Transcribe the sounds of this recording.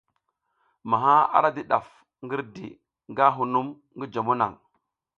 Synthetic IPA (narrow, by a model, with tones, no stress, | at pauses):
ma˨ɦa˦a̰˨ɾa˦di˨ɗa˨f | ŋɡi˦ɾdḭ˨ | ŋɡa˦ɦu˨nu˦m | ŋɡi˦d͡ʒa˨mu˦na̰˨ŋ